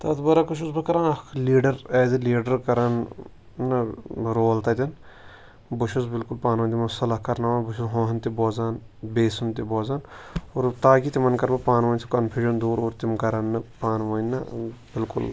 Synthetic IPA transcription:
t̪ɐːt̪bɐɾɐkuʃ̬usbɐkɐɾaːnɐkʰliːɖɐɾɛːziliːɖɐɾkɐɾɐn | nːɐɾoːlt̪ɐt̪ʲɐn | bʊʃusbɪlkʊlpaːnʋɐːnʲt̪imɐsɐlɐɦkɐɾnaːʋaːnbʊʃʰuzɦõːɦɐnt̪iboːzaːn | beːsunt̪iboːzaːnoɾt̪aːkit̪imɐnkɐɾbɐpaːnʋɐːnʲsʰi̥kɐnpʰjuːʃɐnd̪uːɾoːɾt̪imkɐɾɐnːɐpaːnʋɐːnʲːɐbɪlkʊ̰l

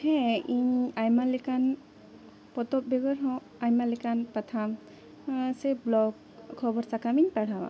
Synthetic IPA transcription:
hɛiɲajmalikan | pɔt̪ɔp̚bɛɡɔɾɦɔ̃ | ajmalikanpat̪ʰam | sɛblɔɡ | kʰːɔbɔɾsakamiɲpaɽ̤awa̰

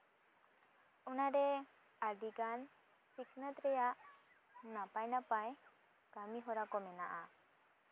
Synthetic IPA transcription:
unaɾɛ | aɾɖiɡan | siknət̪ɾɛjaʔ | napajnapaj | kamiɦɔɾakɔmɛna̰ʔa

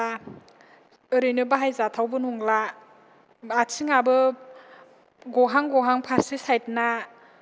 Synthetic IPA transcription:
a | ɯɾɯjnɯbaɦajzatʰawbɯnuŋla | atʰiŋabɯ | ɡɔɦaŋɡɔɦaŋpʰasisajt̚na

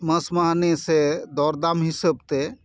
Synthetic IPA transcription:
məsmaɦnesed̪ɔːɾd̪amɦisəbt̪e

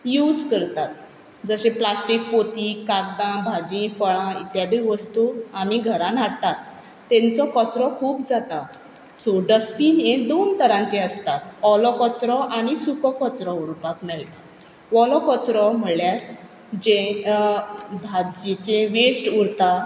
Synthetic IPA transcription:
jud͡zkəɾt̪at̪̚ | d͡zəɕeplasʈik̚pot̪ikak̚d̪ãbʱad͡ʑĩfəɭãit̪jad̪iʋəst̪uam̤iɡʱəɾãnaɽt̪at̪ː | ẽnt͡sɔkɔt͡sɾɔkʰuːpd͡zat̪a | soɖəspiːned̪ont̪əɾãnt͡ɕẽəst̪at̪ɔlɔkɔt͡sɾɔʔaɽ̃isukɔkɔt͡sɾɔuɾpakmeɭt̪a | ʋɔlɔkɔt͡sɾɔm̤əɭjaɾ | d͡ʑẽ | bʱad͡ʑit͡ɕẽʋesʈuɾt̪a

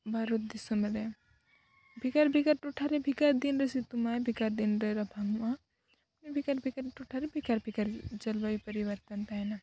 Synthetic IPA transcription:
baɾot̪̚d̪isəmɾe | bʱikaɾbʱikaɾʈoʈʰaɾebʱikaɾd̪inɾəsit̪umajbʱikaɾd̪inɾeɾɐbʱaŋma | nebʱikaɾbʱikaɾʈoʈʰaɾebʱikaɾbʱikɐɾd͡ʒɐlbəipəɾiʋəɾt̪ənt̪ana

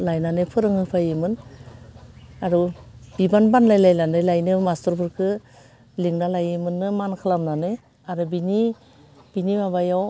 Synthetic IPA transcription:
lajnanɯpʰɯɾɯŋɯpʰajɯmɯn | aɾubibanbanlajlajlandajlajnɯmastɯɾpʰɯɾkʰɯ | liŋnalajimɯnːɯmankʰɯlamnanɯ | aɾɯbini | b̥inimabajaw

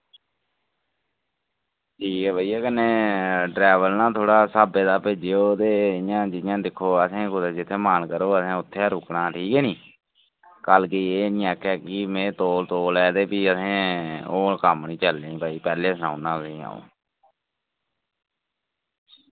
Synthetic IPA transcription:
ʈʰiːkɛːbəːiːaːkənːeːɖɾɛːʋəlnãːt̪ʰoːɽaːsaːbeːd̪aːpeːd͡ʒeoːt̪eːjãːd͡ʒɪjãːd̪ɪkʰːoːəsẽːkʊd̪eːd͡ʒɪt̪ʰːeːmaːnkəɾoːəsẽːʊt̪ʰːeːəɾʊknaːʈʰiːkɛːnĩː | kəlkieːnĩːɛːkɛːkimeːt̪oːlt̪oːlɛːd̪eːpiːəsẽːoːkəmnĩːt͡ʃəlːeːĩːbaːiːpɛːleːsənã̰ːnãːsĩːã̰ːo̰ː

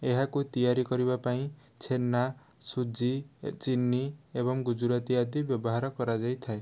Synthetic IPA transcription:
eɦakut̪ijaɾikʌɾibapaĩ | t͡sʰenːa | sud͡zit͡ʃinːiebʌŋɡud͡ʒuɾat̪iad̪ibjʌbɔɦaɾʌkɔɾad͡zajt̪ʰae

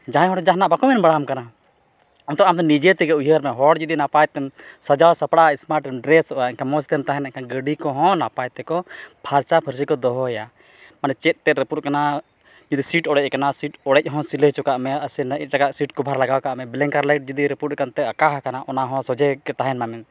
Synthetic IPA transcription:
d͡ʒaɦãɦɔ̃ʈd͡ʒaɦnaʔbakɔmɛnbəɽamkana | ɔmt̪ɔʔamt̪ɛnid͡ʒɛt̪ɛɡɛujəɾmɛɦɔɽd͡ʒud̪inapajt̪ɛmsɔd͡ʒawsapɽaismaɾʈɛmɖɾɛsɔʔaiɲkamɔsi̥t̪ɛnt̪aɦɛnɛkaɡəɖikɔɦɔ̃napajt̪ɛkɔbʱʰaɾt͡ʃapʰəɾs̬ikɔd̪ɔɦɔja | manɛt͡ʃɛt̪̚ˀt̪ɛt̪ɾəpuʈ̚kana | d͡ʒud̪isiʈɔɽɛc̚ˀkanasiʈɔɽɛc̚ˀɦɔ̃silət͡ʃɔkaʔmɛəsɛnaʔit̪̚ʈakaʔsiʈ̚kubʱaɾlaɡawkaʔmɛbilɛŋkaɾlajʈ̚d͡ʒud̪iɾɛpuɾ̚kant̪ɛakaɦkanaʔɔnaɦɔ̃sɔd͡ʒɛkɛt̪aɦɛnmamɛn

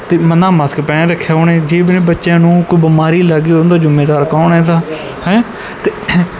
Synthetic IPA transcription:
t̪eːmənaːməskpɛːnẽːɾəkʰːjaːʊnẽːd͡ʒeːbnẽːbətːʃãːnũːkoiːbəmaːɾiːləɡiːond̪aːd͡ʒʊmeːd̪aːɾkaːnɛ̃ːd̪aː | hɛ̃ | t̪eː

